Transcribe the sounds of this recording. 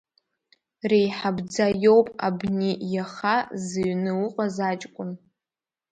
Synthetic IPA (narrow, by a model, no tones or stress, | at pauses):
rejħabd͡zajowpʼa̰bnijaχazɨɥnɨwʊqʼazat͡ʃʼkʷʼʊn